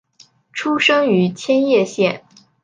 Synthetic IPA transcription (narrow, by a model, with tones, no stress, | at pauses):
ʈ͡ʂʰu˥ʂɤ˥ŋy˧˥t͡ɕʰjɛ˥njɛ˥˧ɕjɛ˥˩n